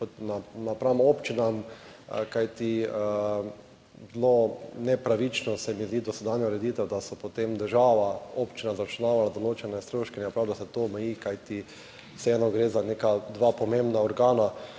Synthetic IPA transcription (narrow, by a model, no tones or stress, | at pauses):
pɔt̪nanapɾamoːpt͡ʃinam | kajt̪i | zlonɛpɾaʋit͡ʃnɔsɛmizd̪id̪ɔsɛd̪anjɔɾɛd̪it̪ɛwd̪asɔpot̪emd̪əɾʒaːʋaoːpt͡ʃinazat͡ʃnaːʋalad̪oloːt͡ʃɛnɛst̪ɾoːʃkɛnɛjpɾaːwd̪asɛt̪oɔmɛjiːkajt̪i | sɛɛnɔɡɾezanekad̪ʋaːpɔmẽmbnaɔɾɡaːna